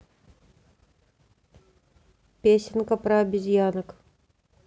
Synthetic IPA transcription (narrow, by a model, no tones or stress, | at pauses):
pʲesʲɪnkəpɾəɐbʲɪzʲjanək